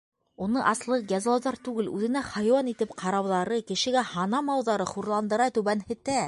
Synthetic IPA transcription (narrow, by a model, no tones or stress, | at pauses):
unɤʔɑslˠɤqjɑzlˠɑwðɑɾt̪ʉɡɘlʉ̰ðɘ̆næχɑjwɑnit̪ɘpqʰɑɾɑwðɑɾɤkɘ̆ʃɘ̆ɡæhɑnɑmɑwðɑɾɤχuɾlˠɑnd̪ɤ̆ɾɑt̪ʉβænhɘ̆t̪æ